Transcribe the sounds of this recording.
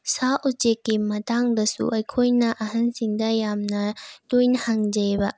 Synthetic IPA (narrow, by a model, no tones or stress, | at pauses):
saʔut͡ʃekːimɐtaŋdɐsṵʔɐjkʰojnɐʔɐɦɐnsiŋd̪ɐjamnɐtujnhaŋd͡ʒejbɐ